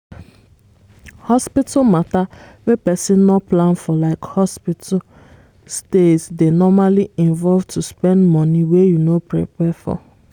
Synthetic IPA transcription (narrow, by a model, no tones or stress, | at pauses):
hɔspitamatawepɛsĩnːɔplãnfɔlaɪkhɔspitʰa | stetsdenɔmaliĩnvɔlvtʰuspɛ̃ndmɔ̃niwejunopɹḭpɛfɔ̰